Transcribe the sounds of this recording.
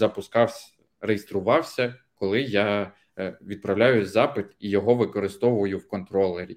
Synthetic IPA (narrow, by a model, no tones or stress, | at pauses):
zɐpʊskɑwsʲ | rejest̪ɾʊʋɑwsʲɐkɔlˠɪjɑ | ʋʲid̪̚pɾɐwlʲajʊzɑpɪt̪ijɔɦɔʋɪkɔɾɪst̪ɔʋʊʋɐjʊwkɔnt̪ɾɔlˠeɾʲi